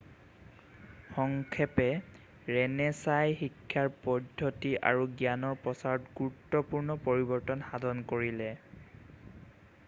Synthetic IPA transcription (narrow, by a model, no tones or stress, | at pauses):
xɔŋkʰɛpɛ | ɹɛnɛsajxikʰːjaɹpɔdʱːɔtiʔa̰ɹuɡjanɔɹpɔsaɹɔtɡuɹutːɔpuɹnɔpoɹibɔɹtɔnxadʱɔnkoɹilɛ